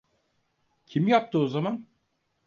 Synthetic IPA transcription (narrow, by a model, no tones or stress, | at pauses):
cʰimjap̚t̪ʰɯozaman